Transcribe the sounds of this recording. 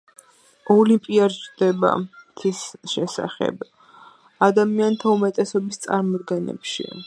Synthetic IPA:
ɔlimpʼiaɾd͡ʒd̪ɛba̰t̪ʰisʃɛsa̰χɛ̰b | ad̪amiant̪ʰaumɛt̪ʼɛsɔbist̪sʼa̰ɾmɔd̪ɡɛnɛ̰pʃḭ

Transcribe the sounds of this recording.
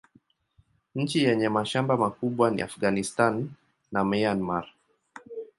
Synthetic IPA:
ɲ̩t͡ʃijɛɲɛmaʃambamakuɓwanḭa̰fɡanistanː | amianmaɾ

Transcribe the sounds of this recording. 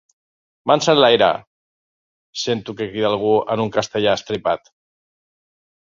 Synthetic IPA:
mansanlajɾa̰ | sent̪ukekɾiðalˠɣ̞uə̰nuŋkast̪eʎaəst̪ɾipat̪

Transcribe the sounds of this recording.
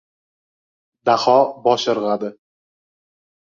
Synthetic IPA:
d̪aχɒbɒʃɨɾʁad̪ɪ

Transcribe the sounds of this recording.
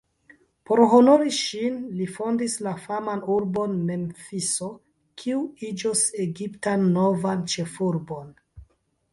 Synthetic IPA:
po̞ɾɦo̞no̞ɾiʃinlifo̞ndislafamanuɾbo̞nme̞mfiso̞ | kʰiuid͡ʒose̞ɡiptanːo̞vant͡ʃe̞fuɾbo̞n

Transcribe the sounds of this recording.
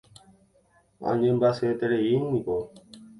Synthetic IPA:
ã̰ɲẽmbaset̪eɾeinĩko

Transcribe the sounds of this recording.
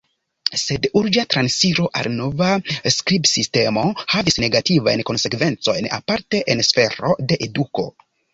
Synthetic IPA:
se̞duɾd͡ʒatɾansiɾo̞ʔa̰lno̞vaskɾibsiste̞mo̞havisne̞ɡativa̰jnko̞nse̞kve̞nt͡so̞jna̰paɾte̞ʔensfe̞ɾo̞̰de̞ʔeduko̞̰

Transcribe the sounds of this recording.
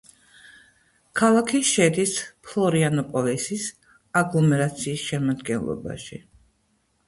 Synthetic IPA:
kʰalˠakʰiʃɛd̪ispʰlˠɔɾianɔpʼɔlisis | aɡlˠɔmɛɾat̪sʰiːsʃɛmad̪ɡɛnlˠɔ̰ba̰ʃḭ

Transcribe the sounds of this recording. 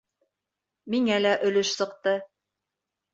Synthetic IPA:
miŋælæʔɵ̆lɵʃsɤ̆q̚t̪ɤ

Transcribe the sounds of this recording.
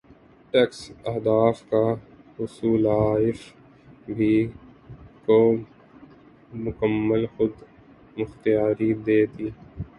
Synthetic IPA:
ʈɛːksɐɦd̪aːfkaɦʊsuːlaːɪf | bʱi | ko | mʊkəmːəlxʊd̪ | mʊxt̪ijaːɾid̪eːt̪iː

